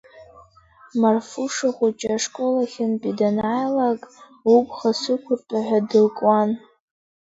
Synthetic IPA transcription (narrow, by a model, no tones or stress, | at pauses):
marfuʂaχʷʊt͡ʃʼaʂkʷʼo̞laχʲɪnpʼidanajlakʼ | upʼχasɨkʷʰʊrtʼaħʷᶣadɨlkʼwan